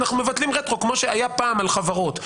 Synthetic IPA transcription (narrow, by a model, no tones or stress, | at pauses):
naχnume̞vat̪limʁet̪ʁokmo̞ʃeajapaːmalχavaʁo̞t̪